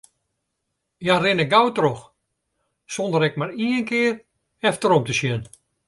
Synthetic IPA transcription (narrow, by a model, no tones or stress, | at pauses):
jarɪnəɡawtrox | sondəɾɛk̚maɾiənkɪər | ɛftəɾomtəsjɛn